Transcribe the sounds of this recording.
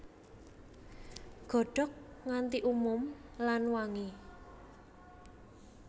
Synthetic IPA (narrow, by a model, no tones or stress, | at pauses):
ɡ̥ɔ̤ɖ̥ɔ̤k̚ŋant̪iʔumʊmlanwaŋi